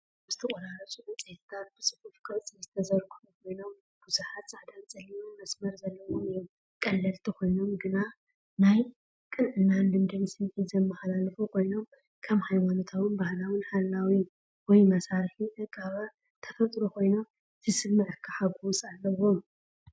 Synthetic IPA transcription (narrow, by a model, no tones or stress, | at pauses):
z̥ɨ̥t̪ʰɐkʼɐɾaɾɐt͡ʃʼuʔɨt͡sʼet̪ʰt̪ʰat̪̚b̥ɨsʼɨ̥fufkʰɐt͡sʼizɨt̪ʰɐzɐɾɡuħukʰo̞jno̞m | b̥uzuħat̪sʼaʕd̪ant͡sʼɐlimamɐsmɐɾzɐlːɐwoɨjom | kʼɐlːɐlt̪ʰikʰo̞jno̞mɡɨna | naj | kʼɨnʕɨnːand̪ɨmd̪ɐnisɨmħizɐmːɐxalalɐfokʰo̞jno̞m | kʰɐmhajmanot̪ʰaβɨnbahlawɨnħalːawi | wɔjmɐsaɾħiʔɨɡʼaβa | t̪ʰɐfɐt̪ʼɾokʰo̞jno̞m | zɨsɨbmɨʕɨkʰːaħaɡusalːɐwo̞m